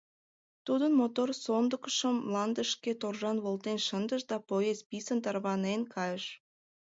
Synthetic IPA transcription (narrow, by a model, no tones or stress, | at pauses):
t̪ud̪ənmot̪orsond̪əkə̥ʃəmlɑnd̪əʃket̪orʒɑnβolt̪enʃənd̪əʃd̪ɑpojespisənt̪ɑrβɑnenkʰɑjəʃ